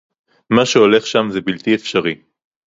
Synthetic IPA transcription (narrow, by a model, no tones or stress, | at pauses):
maʃeole̞χʃamzebilt̪iefʃaʁi